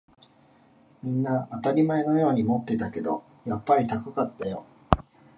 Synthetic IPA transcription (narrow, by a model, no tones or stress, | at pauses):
mʲĩnːaːt̪aɾʲimae̞no̞jo̞ːɲ̟imo̞t̪ːe̞t̪ake̞d̪o̞̰ | japːaɾʲit̪akɯkat̪ːajo̞